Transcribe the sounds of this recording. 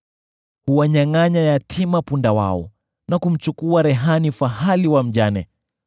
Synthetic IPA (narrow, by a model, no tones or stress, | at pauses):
huwaɲaŋaɲajatʰimapundawa̰ɔ̰ | nakum̩t͡ʃukuaɾɛɦanifahaliwam̩ʄanɛ